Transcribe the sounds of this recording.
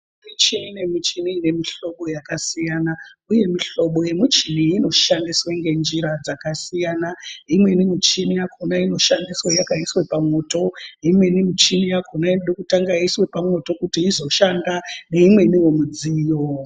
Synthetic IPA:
mit͡ʃinine̞mit͡ʃiniːne̞miɬo̞ɓo̞jakasijanauje̞miɬo̞ɓo̞je̞mit͡ʃiniːno̞ʃandiswaŋɡe̞nd͡ʒiɾad͡zakasijanaimwe̞nimit͡ʃinijakʰonaino̞ʃandiswajakaiswe̞pamo̞to̞imwe̞nimit͡ʃinijakʰonainoɗokutaŋɡaiswe̞pamo̞to̞kutiːzo̞ʃandaneimwe̞niwo̞mud͡ziːjo

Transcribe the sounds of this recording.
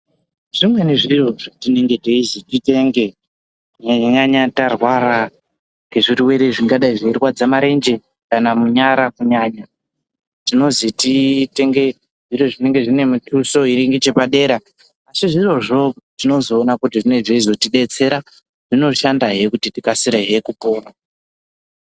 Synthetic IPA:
ʐ̥imwe̞niʐiro̞ʐatine̞ŋɡe̞teizitite̞ŋɡe̞ | ɲaɲaɲatarwaɾa | ŋɡe̞ʐiɾiwe̞ɾe̞ʐiŋɡaɗaiʐeirwad͡zamaɾe̞nd͡ʒe̞ | kanamuɲaɾakuɲaːɲa | tino̞zitite̞ŋɡe̞ | ʐiroʐine̞ŋɡe̞ʐine̞mutuso̞iɾiŋɡet͡ʃe̞paɗe̞ɾaː | siʐiro̞ʐo̞tino̞zo̞ːnakutiʐine̞ʐeizo̞tiɗe̞t͡se̞ɾa | ʐ̥ino̞ʃandaɦe̞kutitikasiɾeɦe̞kupoːra

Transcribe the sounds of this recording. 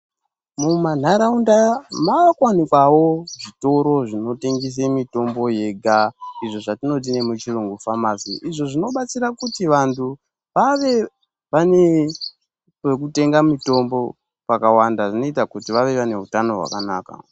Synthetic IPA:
muman̤aɾaundamakwanikwawo̞ʐito̞ɾo̞ʐino̞teŋɡes̬emito̞mbo̞je̞ɡʱaiʐo̞ʐatino̞t̬ine̞mut͡ʃiruŋɡufamasiʔiʐo̞ʐino̞ɓat͡siɾakutiʋantʰu | ʋaʋe̞ | ʋane̞ | we̞k̬ute̞ŋɡamito̞mbo̞ | pakawandaʐino̞itakutiʋaʋe̞ʋane̞ɦutano̞ɦwa̰kanaːka̰

